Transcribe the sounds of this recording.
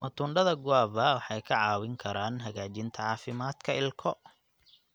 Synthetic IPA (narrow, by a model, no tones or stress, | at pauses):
mʔɐt̪ʰuːɳɖɐðɐɡʊaːβɐwɑħɑjkʰɐʕɑːwɪŋkʰɐɾaːnɦɐɣaːt͡ʃɪnt̪ʰɐʕɑːfɪmaːd̪kʰɐɪlkʰɔ